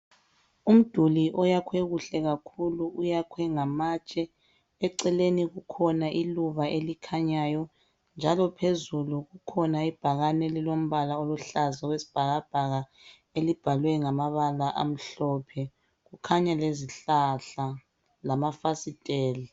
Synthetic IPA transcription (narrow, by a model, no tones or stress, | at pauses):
um̩d̥ʱuliʔɔjakʰwɛɣuɬɛɣakʰuluujakʰwɛŋamat͡ʃʼɛ | ɛǀɛleniɣukʰɔnaʔiluβaʔelikʰaɲajɔ | nd͡ʒʱalɔpʰezuluɣukʰɔnaib̥ʱaɣanɛlilom̩βalaoluɬazaɣwesi̥b̥ʱaɣab̥ʱaɣa | elib̥ʱalwɛŋamaβalaʔa̰m̩ɬɔpʰɛ | ɣukʰaɲaleziɬaɬa | lamafasitʼɛːli